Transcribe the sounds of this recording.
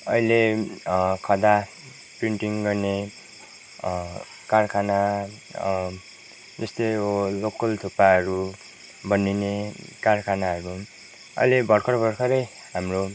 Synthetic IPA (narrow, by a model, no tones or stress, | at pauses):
ʌ̰ile | kʰʌd̪a | priɳʈiŋɡʌrne | karkʰana | d͡zʌst̪eolokʌlt̪ʰupaʌɾu | bʌnːinekarkʰanaɦʌɾu | ʌ̰jlebʱʌɽkʰʌɾʌbʱʌɽkʰʌɾʌj | ɦamro